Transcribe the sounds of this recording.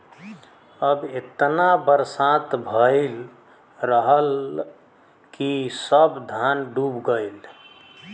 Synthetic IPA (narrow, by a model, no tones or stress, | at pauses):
əbet̪nabəɾsat̪bʱəɪl | ɾəɦəl | kisəbd̪ʱanɖubɡəjl